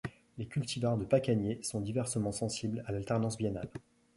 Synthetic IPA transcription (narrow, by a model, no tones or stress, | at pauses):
lekʲylt̪ʰivaʁd̪əpakanjesɔ̃d̪ivɛʁsəmɑ̃sɑ̃siblalalt̪ɛʁnɑ̃sbjɛna̰l